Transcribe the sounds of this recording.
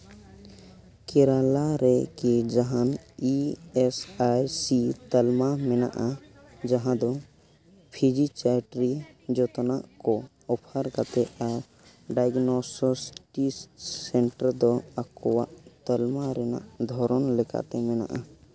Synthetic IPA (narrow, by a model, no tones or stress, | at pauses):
keɾalaɾekid͡ʒəɦaniesajsit̪əlmamena̰ʔa | d͡ʒəɦãd̪ɔ | pʰid͡ʒit͡ʃaʈɾid͡ʒot̪naʔkɔ | ɔpʰəɾkat̪eʔaɾ | ɖajɡnososʈissẽɳʈəɾd̪ɔəkuwa̰ʔt̪əlmaɾena̰ʔd̪ʱɔɾɔnleka̰t̪emena̰ʔa̰